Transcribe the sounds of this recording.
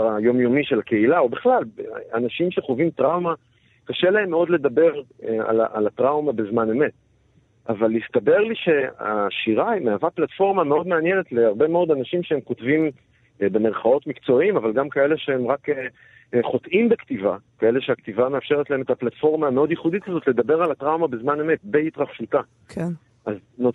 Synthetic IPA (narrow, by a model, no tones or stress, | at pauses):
ajo̞mjo̞miʃe̞lake̞ilaobeχlalbeanaʃimʃeχovimtʁawma | kaʃe̞laemːeo̞d̪le̞dabe̞ʁa̰laa̰latʁawmabe̞zmane̞met̚ | avalːist̪abe̞ʁliʃe̞a̰ʃiʁameavaplatfo̞ʁmameo̞d̪meanjene̞tleaʁbe̞meo̞d̪anaʃimʃeemkotvim | be̞meʁχao̞tmikt͡so̞imavalɡamkae̞leʃehemʁake | χo̞tʔimbektivakae̞le̞ʃeaktivame̞afʃe̞ʁet̪lae̞met̪aplatfo̞ʁmaːmeo̞d̪jiχuditkazo̞t̪le̞d̪abeʁalatʁawmabezmane̞me̞t̚beit̪ʁaχʃuta | ʔazno